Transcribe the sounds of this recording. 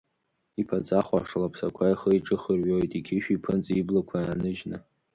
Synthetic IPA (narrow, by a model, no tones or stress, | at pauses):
ipʰat͡sʼaχʷa̰ʂalapʰsakʷʰaiχəjiʈ͡ʂʼɨχərɥojtʼiɡʲɪʃᶣipʰɨnt͡sʼiblakʷʰaanɨʒnɨ